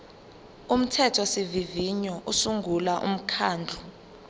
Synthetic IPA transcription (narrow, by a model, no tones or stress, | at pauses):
um̩tʰɛtʰɔsiviviɲɔʔusuŋɡʱulaʔṵm̩kʰaːnd͡ɮʱu